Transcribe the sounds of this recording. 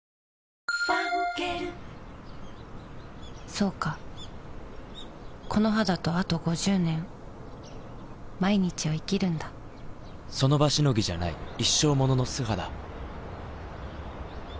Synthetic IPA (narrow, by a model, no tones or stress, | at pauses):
pakeɾɯ | so̞ːka | kʰo̞noɦad̪at̪o̞at̪o̞ɡo̞ʑɨːnẽ̞ŋ | maiɲ̟it͡ɕiβaikʲiɾɯ̟̃nd̪a | so̞no̞baɕino̞ɡʲiʑanaiiɕːo̞ːmo̞no̞no̞sɨɦad̪a